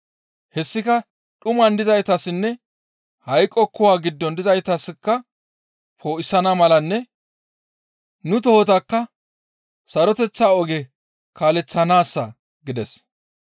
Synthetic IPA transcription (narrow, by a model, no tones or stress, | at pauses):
hɛsːɪkɐ | ɗʊmɐnd̪ɪzɐjt̪ɐsɪnːɛ | hɐjkʼːɔkːʊwaːɡɪd̪ːɔnd̪ɪzɐjt̪ɐsɪkːɐ | pʰoːʔɪsɐnɐmɐlɐnːɛ | nʊt̪̬ɔhɔt̪ɐkːɐ | sɐɾɔt̪ɛt͡sːaːɔɡɛ | kaːlɛt͡sːɐnaːsːɐ | ɡɪd̪ɛs